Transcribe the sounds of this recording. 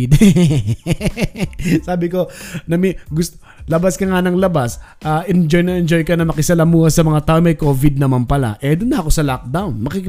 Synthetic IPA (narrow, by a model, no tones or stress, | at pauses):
d̪ | saːbɪko̞nɐmɪɡʊst̪o | lɐbaskɐŋanɐŋlɐbasʔaʔɛnd͡ʒojnɐʔɛnd͡ʒo̞jkɐnɐmɐkɪsɐlɐmuːhɐsɐmɐŋat̪aʔomɐjkoːvɪd̪̚nɐmanpɐla̰ʔɛd̪ʊnːɐʔɐkosɐlak̚d̪awnmɐkikɪ